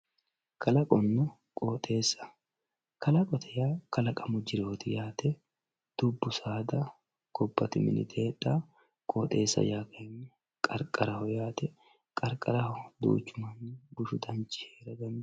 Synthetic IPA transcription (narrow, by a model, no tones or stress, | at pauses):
kʰɐlɐkʼɔnːʊ | kʼoːt̪ʼe̞ːsːɐ̥ | kɐlɐkʼɔt̪ʰɛjaːkɐlɐkʼɐmʊd͡ʒɪɾoːt̪ɪjaːt̪ɛ | d̪̥ʊbːʊsaːd̪ɐ | ɡ̥ɔbːɐt̪ɪmɪ̰nɪ̰t̪ʰeːt̪ʼːaː | kʼoːt̪ʼe̞ːsːɐ̰jaːkenːɛ | kʼɐɾkʼɐɾɐhɔjaːt̪ɛ | kʼɐɾkʼɐɾɐhɔd̪ṵːt͡ʃːʊmɐnːɪbʊʃʊd̪ɐnt͡ʃʼːɪ̥heːɾɐd̪ɐn